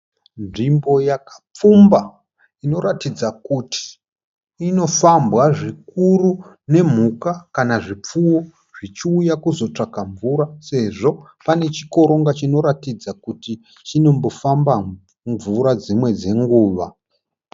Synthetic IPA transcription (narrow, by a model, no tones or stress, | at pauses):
nʐimbo̞jakḁp͡fumba | ino̞ɾatid͡zakutʰi̥ | ino̞fambɣaʐikuru | ne̞m̤ukakanaʐip͡fuwo | ʐ̥it͡ʃiujakuzo̞t͡ʂakaɱvuɾase̞ʐo̞ | pane̞t͡ʃiko̞ɾo̞ŋɡat͡ʃino̞ɾatid͡zakuti | t͡ʃino̞mbo̞famba | ɱvuɾad͡zimwe̞d͡ze̞ŋɡuːʋa